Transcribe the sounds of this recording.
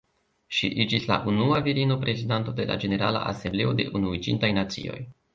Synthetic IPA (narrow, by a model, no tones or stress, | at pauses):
ʃḭʔid͡ʒisla̰ʔunuaviɾino̞pɾe̞zidanto̞de̞la̰d͡ʒe̞ne̞ɾa̰la̰ʔa̰se̞mble̞o̞de̞̰ʔunuid͡ʒintajnat͡sḭo̞̰j